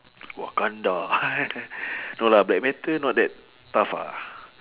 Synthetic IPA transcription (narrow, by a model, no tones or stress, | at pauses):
wa̰kanda | nolablɛk̚mɛt̪ənwɔʔ̚dɛt̚ | t̪afa̰